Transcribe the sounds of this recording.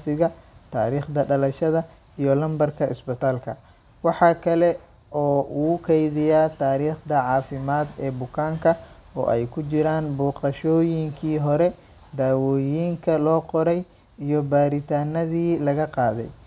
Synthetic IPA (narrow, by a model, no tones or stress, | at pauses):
sɪɣɐt̪ʰa̰ːɾiːχd̪ɐɖɐlɐʃɐðɐ | ijɔlɐmbɐrkʰɐʔɪ̰sbɪt̪ʰaːlkʰɐ | wɑħɑːkʰɐlɛ | ʔɔːʔuːkʰɛjðɪjaːt̪ʰaːɾiːχd̪ɐʕɑːfɪmaːd̪ɛːbʊkʰaːŋkʰɐ | ɔ̰ːʔɛjkʰʊt͡ʃɪɾaːnbɔːqɑʃɔːjɪŋkʰiːɦɔɾɛ | d̪aːwɔːjiːŋkʰɐlɔːqɔɾɛj | ijɔbaːɾɪt̪ʰaːnɐðiːlɐɣɐqɑːðɛ̰j